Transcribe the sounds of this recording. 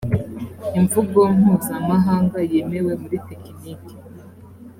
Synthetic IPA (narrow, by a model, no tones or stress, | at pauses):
iɱvuɡoŋ̥huːzamaɦaːŋɡaje̞me̞we̞muɾitekiniki̥